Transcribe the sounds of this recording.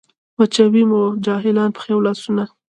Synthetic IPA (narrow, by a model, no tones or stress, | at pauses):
wat͡ʃawimod͡ʒɑɦɪlɑnpə̥xewlɑsuna